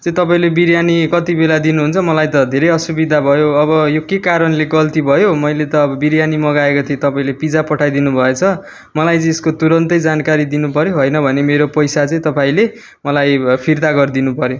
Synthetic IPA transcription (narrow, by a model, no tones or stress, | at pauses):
t͡sʌĩt̪ʌpaĩlebiɾjanikʌt̪ibelad̪inuɦunt͡sʰʌmʌlajt̪ʌd̪ʱeɾʌjʌsubid̪ʱabʱʌjoʌβʌjokekaɾʌnleɡʌlt̪ibʱʌjomʌjlet̪ʌːbʌbiɾjanimʌɡaekot̪ʰiet̪ʌpaĩlepid͡zapʌʈʰajd̪inubʱʌet͡sʰʌ | mʌlajt͡sʌĩeskot̪uɾʌnt̪ʌjd͡zankaɾid̪inupʌɾjoɦojnʌbʱʌnemeɾopʌjsat͡sʌ̃ĩt̪ʌpaĩle | mʌlajpʰird̪aɡʌrd̪inupʌɾjo